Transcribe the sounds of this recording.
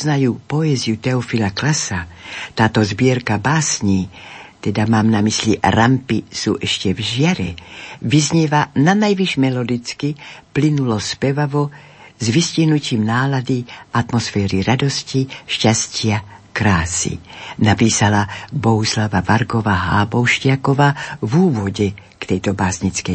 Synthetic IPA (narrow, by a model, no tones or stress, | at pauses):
znajuːpɔɛzijut̪ɛɔfilaklasat̪aːt̪ɔzbiɛɾkabaːsɲiːt̪ɛd̪amaːmnamisliɾampisṵːʔɛʃcɛvʒɪaɾɛ̰vizɲivananajviʒmɛlɔd̪it͡skiplinulɔspɛvavɔ | zvisciɦnuciːmnaːlad̪iʔat̪mɔsfɛːɾiɾad̪osciʃcascɪakɾaːsḭnapiːsalaboɦuslavavaɾɡovaɦaːbowʃcɪakovaːvuːvɔɟɛkt̪ɛjt̪ɔbaːsɲit͡skɛj